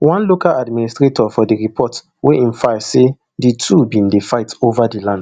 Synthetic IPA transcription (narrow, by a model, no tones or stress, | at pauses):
wãnlokaladministɹetʰɔfɔdiɹipʰɔt | weʔĩnfajse | ditʰubĩndefaɪtovadilãnd